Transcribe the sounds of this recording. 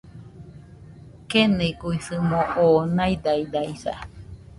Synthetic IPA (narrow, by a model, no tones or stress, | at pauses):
keneɡuisɨmõʔoːnãjd̪aid̪ajsa̰